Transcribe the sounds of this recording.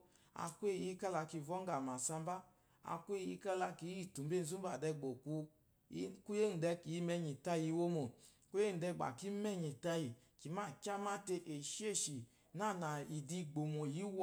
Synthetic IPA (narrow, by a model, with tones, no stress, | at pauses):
a̰˧kwe˦˨i˦ka˦la˧ki˧˨vɔ˦ŋ˦ɡa˨ma˨sa˧mba˦ | a̰˧˨kʷe˦˨ji˧˦ka˦la˧ki˨˦i˨tu˨m˦be˦˨n̩˨zu˦ba˨dɛ˧ɡ͡bo˨ku˧˦ | ku˦je˦n̩˨dɛ˧ki˨i˦mɛ˧ɲi˨ta˦ji˧˦wo˦mo˨ | ku˦je˦n̩˨dɛ˧˨ɡ͡ba̰˨ki˦mɛ˦˨ɲi˨ta˧ji˨ | ki˨˦ma˦˨kʲa˦ma˦te˧ʔe˨ʃi˦e˦˨ʃi˨ | na˦˨na˨i˨di˧ɡ͡bo˨mo˨ji˨˦w